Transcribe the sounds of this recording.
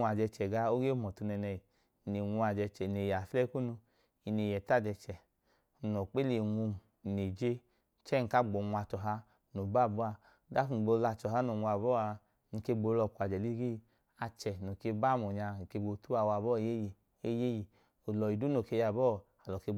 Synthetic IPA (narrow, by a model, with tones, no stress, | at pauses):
a˨d͡ʒɛ˧t͡ʃɛ˨ɡa˧o˦ɡe˦mɔ˨tu˨˧nɛ˧nɛ˧i˨ | ne˨ŋʷu˧a˨d͡ʒɛ˧t͡ʃɛ˨ne˨ja˨fɛ˦ku˦nu˧ | i˧ne˨jɛ˨ta˦˨d͡ʒɛ˧t͡ʃɛ˨ | no˨k͡pe˦le˨ŋʷu˧m˨ne˨d͡ʒe˧ | t͡ʃɛ˦ŋ̩˨ka˦ɡ͡bo˨ŋʷ˧a˧t͡ʃɔ˨ɦa˧˦ | no˨ba˦˨bɔ˦a˧˦ | da˦ku˨ɡ͡bo˧la˧˨t͡ʃɔ˨ɦa˨˦no˨ŋʷ˧a˨bɔ˦a˧ | ni˧ke˧ɡ͡bo˧˦lɔ˧˨kʷa˨d͡ʒɛ˨li˦ɡi˦˧ | a˧t͡ʃɛ˨no˨ke˧ba˦˨mo˨ɲa˧n˨ke˧ɡ͡bo˧˦tu˦a˧˨wa˨bɔ˦˨je˦je˨ | e˦je˦ji˨ | o˨lɔ˨i˨du˦no˨ke˧ja˨bɔ˦ | a˨lɔ˨ke˧